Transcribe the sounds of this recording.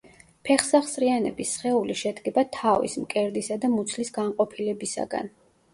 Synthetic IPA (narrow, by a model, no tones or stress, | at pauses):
pʰɛχsaχsɾianɛ̰bisχɛuliʃɛd̪ɡɛbat̪ʰavḭsmkʼɛɾd̪isad̪amut̪sʰlisɡaɴqʼɔpʰilɛbisa̰ɡa̰n